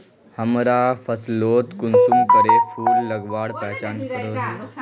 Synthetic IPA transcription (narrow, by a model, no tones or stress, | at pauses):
həmɾafʰəsloːt̪kunsumkəɾefuːlːəɡʋaːɽpɛɦt͡ɕaːnkəɾoːna